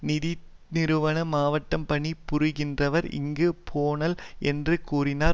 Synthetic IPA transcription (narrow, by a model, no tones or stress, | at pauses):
nɪðinɪɾɯʋɐɳɐmaːʋɐʈːɐmpɐɳipʊɾɯɣɪndrɐʋɐɾɪ̰ŋɡɯpʰoːɳɐlʔɛndrɯkuːrɪnaːɾ